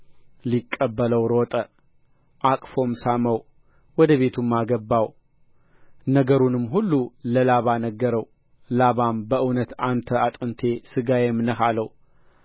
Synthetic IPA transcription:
likʼːəbːələwɾot̪ʼə | ʔakʼfo̞msaməw | wɔd̪əβe̞t̪ʰumːaɡəbːaw | nəɡəɾunɨmːɦulːuləlaβanəɡːəɾəw | laβambəʔɨwnət̪ant̪ʰəat̪ʼɨnt̪ʰe̞sɨɡajemnəhaləw

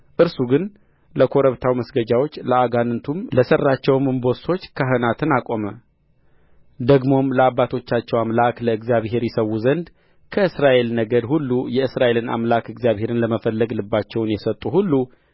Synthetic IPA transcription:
ʔɨɾsuɡɨn | ləkʰo̞ɾəβt̪ʰawməsɡəd͡ʒawo̞t͡ʃːləaɡanɨnt̪ʰumləsərːat͡ʃːɛwmɨmbo̞so̞t͡ʃːkʰəɦɨnat̪ʰɨnakʼo̞mə | d̪əɡmo̞mləabːat̪ʰo̞t͡ʃːat͡ʃːɛwamlakləɨɡzijaβhe̞ɾjɛsəwːuzənd̪ | kʰəɨsɾaʔe̞lnəɡəd̪hulːujɛɨsɾaʔe̞lɨna̰mlakɨɡzijaβhe̞ɾɨnləməfəlːəɡlɨbːat͡ʃːɛwnjɛsət̪ʼːuhulːu

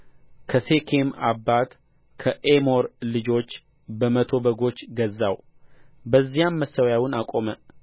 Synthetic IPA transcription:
kʰəse̞kʰema̰bːat̪ | kʰəʔemo̞ɾlɨd͡ʒo̞t͡ʃː | bəmət̪ʰo̞bəɡo̞t͡ʃːɡəzːaw | bəzːijamːəsːəwjawɨnakʼo̞mə

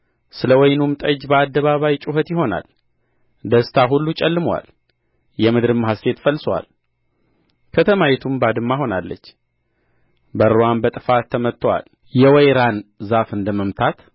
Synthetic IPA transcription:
sɨləwɔjnumt̪ʼəd͡ʒbəad̪ːəβaβajt͡ʃʼʊɦət̪jɪɦo̞na̰l | d̪əst̪ʰaɦulːut͡ʃʼɛlːɨmwa̰l | jɛmɨd̪ɾɨmːɦast̪e̞t̪fəlːswa̰l | kʰət̪ʰəmajɛt̪ʰumbad̪ɨmːaɦo̞nalːə̰t͡ʃː | bəɾowambət̪ʼɨfat̪ʰːəmət̪ːəwa̰l | jɛwɛjɾanzafɨnd̪əməmt̪ʰat̪

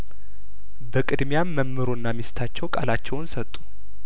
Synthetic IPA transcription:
bəkʼɨd̪mjamːəmːɨɾo̞nːamist̪ʰat͡ʃːɛwkʼa̰lat͡ʃːɛwnsət̪ʼːu̥

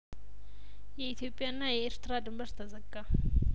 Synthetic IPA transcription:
jɛit̪ʰijo̞pʼːijaɨnːajɛeɾt̪ɾad̪ɨmbəɾt̪ʰəzəɡːa

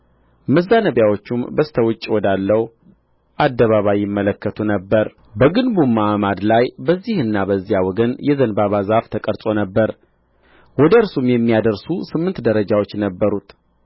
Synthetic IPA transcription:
məzːanəβjawot͡ʃːumbəst̪ʰəwʊt͡ʃʼːiwɔd̪alːəwu | ʔad̪ːəβaβajːɪmːələkːət̪ʰunəbːəɾ | bəɡɨnbumːaʔamad̪lajbəzːihɨnːabəzːijawɔɡənjɛzənbaβazaft̪ʰəkʼəɾsʼo̞nəbːəɾ | wɔd̪əɨɾsumjɛmːijad̪əɾsusɨmːɨnt̪d̪əɾəd͡ʒawo̞t͡ʃːnəbːəɾut̪

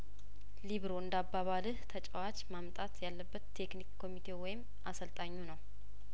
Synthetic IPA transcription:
liβɾo̞ɨnd̪abːaβalɨht̪ʰət͡ʃʼəwat͡ʃʼmamt̪ʼat̪jalːəbːət̪ʰːe̞knikkʰːo̞mit̪ʰe̞wɔjɪm | ʔasəlt̪ʼaɲːunəw

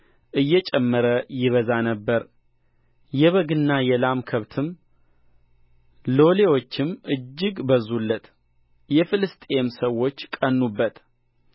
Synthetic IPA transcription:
ʔɨjːɛt͡ʃʼɛmːəɾəjɪβəzanəbːəɾ | jɛβəɡɨnːajɛlamkʰəβt̪ʰɨm | lo̞le̞wo̞t͡ʃːɪmʔɨd͡ʒːɪɡbəzulːət̪ | jɛfɨlɨst̪ʼemsəwo̞t͡ʃːkʼənːubːət̪

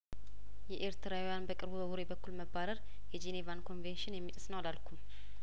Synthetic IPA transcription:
jɛʔeɾt̪ʰɨɾawujanbəkʼɨɾbubəwuɾebəkːulməbaɾəɾ | jɛd͡ʒe̞nevankʰo̞nvenʃɪnjɛmːit̪ʼɨ̥snəwlalkʰum

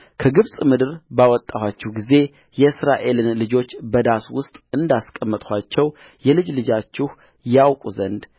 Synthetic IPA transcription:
kʰəɡɨβsʼmɨd̪ɨɾbawɔt̪ʼːahat͡ʃːɛhɡize̞ | jɛɨsɾaʔe̞lɨnlɨd͡ʒo̞t͡ʃːbəd̪aswʊst̪ʼɨnd̪askʼəmːət̪ʼhʰʷat͡ʃːɛw | jɛlɨd͡ʒlɨd͡ʒat͡ʃːɪh | jawkʼuzənd̪

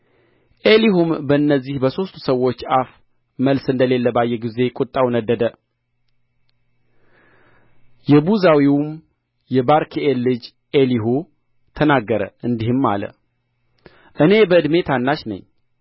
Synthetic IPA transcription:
ʔeliɦumbəɨnːəzːihbəso̞st̪u̥səwo̞t͡ʃːaf | məlsɨnd̪əle̞lːəbajːɛɡize̞kʼut̪ʼːawnəd̪ːəd̪ə | jɛbuzawiwm | jɛbaɾkʰiʔelːɨd͡ʒ | ʔeliɦu | t̪ʰənaɡːəɾə̰ɨnd̪ihɨmːa̰lə̰ | ʔɨne̞bəɨd̪me̞t̪ʰanːaʃnə̰ɲː

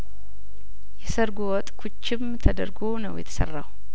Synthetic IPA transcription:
jɛsəɾɡuwɔt̪ʼkʰut͡ʃːɪmt̪ʰəd̪ə̰ɾɡonə̰wjɛ̰t̪ʰə̥sə̰rːa̰w

